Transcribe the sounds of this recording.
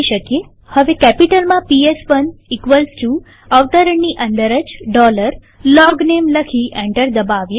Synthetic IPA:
iʃəkje | həʋekɛpiʈəlmãpiesʋənikʋəlsʈu | əʋt̪əɾəɳːiʔənd̪əɾəd͡ʒɖɔləɾ | lɔɡnemləkʰiʔɛ̃ɳʈəɾd̪əbaʋje

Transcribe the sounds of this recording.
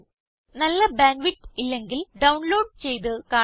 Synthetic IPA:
nɐlːɐbaːnʋiʈːilːe̞ŋɡilɖɐwɳlo̞ːɖ̚t͡ɕe̞jðɨkaː

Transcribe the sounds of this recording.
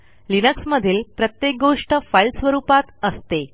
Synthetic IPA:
linəksməd̪ʱiːlpɾət̪jek̚ɡoʂʈəfajlsʋəɾuːpat̪əst̪e

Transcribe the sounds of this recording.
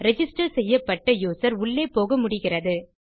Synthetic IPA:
ɾɛd͡ʒɪsʈɐɾsɛjːɐpːɐʈːɐjuːsɐɾʊɭːeːpoːɣɐmʊɽɪɣɪrɐðɯ

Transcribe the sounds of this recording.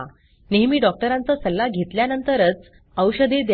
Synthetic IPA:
a | neɦmiːɖɔk̚ʈəɾãnt͡səsəlːaɡʱet̪ljanənt̪əɾət͡s | əwɕəd̪ed̪

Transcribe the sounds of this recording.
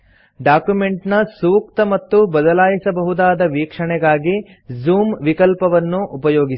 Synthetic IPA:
ɖaːkjumeɳʈnɐsuːk̚t̪ɐmɐt̪ːubɐd̪ɐlaːjisɐbɐɦud̪aːd̪ɐʋiːkʂɐɳɛɡaːɡi | zuːmʋikɐlpɐʋɐnːuʔːpɐjoːɡi

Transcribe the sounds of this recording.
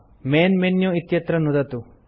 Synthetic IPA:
meːnmenjuit̪jɐt̪ɾɐnud̪ɐt̪u

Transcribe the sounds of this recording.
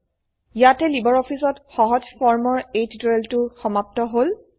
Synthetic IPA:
jatɛlibɔɹɔpʰisɔtxɔɦɔd͡ʒfɔɹmɔɹetdɹeltʊxɔmap̚tɔɦol

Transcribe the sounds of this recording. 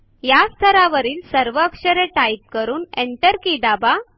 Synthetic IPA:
jast̪ʰəɾaʋəɾiːlsəɾʋəːkɕəɾẽʈaip̚kəɾuːneɳʈəɾkid̪aba

